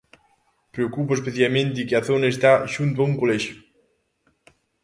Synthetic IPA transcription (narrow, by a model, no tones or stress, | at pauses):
pɾeokupoespeθjalmẽnt̪ikɪaθonaest̪aʃunt̪̬wauŋkoleʃʊ